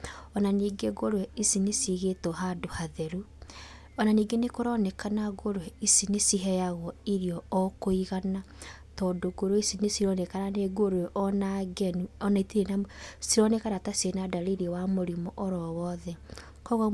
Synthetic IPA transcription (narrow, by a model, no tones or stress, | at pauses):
ɔnaniːɡeɡoɾwɛisinesiɣetɔɦadohaðɛɾu | ɔnaniːɡenekoɾɔnɛkanaɡoɾwɛisinesiɦɛjaɣɔiɾiɔɔkoiɣana | tɔdoɡoɾwɛisinesiɾɔnɛkaɾaneɡoɾwɛʔɔnaɡɛnuɔnaitiɾenasiɾɔnɛkaɾatasenadaɾiɾiwamoɾimɔʔɔɾɔwɔðɛ | kɔɣa